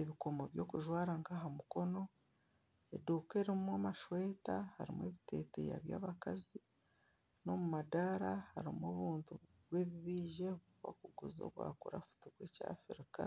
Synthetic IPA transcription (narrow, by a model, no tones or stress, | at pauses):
eβiko̞moβjo̞ːkuʒwaːɾaŋkaɦamuko̞no̞ | ḛduːke̞ɾimumamaʃweːtaha̰ɾḭmwḛβite̞̰ːte̞̰ja̰βjaːβakazi | no̞mumadaɾahaɾimoːβuːntu | βwe̞ːβiβiːʒe | βwa̰kuɡuzo̞̰βwa̰ːkuɾa̰fu̥tuβweca̰ːfiɾika